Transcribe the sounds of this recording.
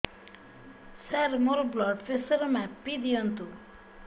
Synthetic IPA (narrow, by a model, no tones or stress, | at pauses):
saɾmoɾblɔɖfesəɾmapid̪iont̪u